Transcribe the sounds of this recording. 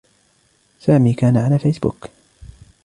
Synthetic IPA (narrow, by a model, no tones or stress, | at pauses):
saːmiːkaːnaʕalaːfajsbʊ̰k